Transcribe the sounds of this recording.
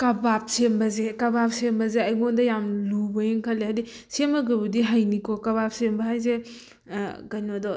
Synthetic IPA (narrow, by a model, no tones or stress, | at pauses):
kɐbap̚sembɐzekɐbap̚sembɐzeɐjŋondɐjamlubɐjeŋkʰɐlːeɦadi | semɐɡɯbudiɦajnikɔkɐβap̚sembɐɦajze | kɐjnodɔ